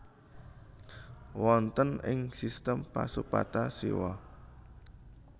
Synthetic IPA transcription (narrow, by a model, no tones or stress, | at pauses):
wɔnt̪ənɪŋsist̪əmpa̰supa̰t̪asḭwɔ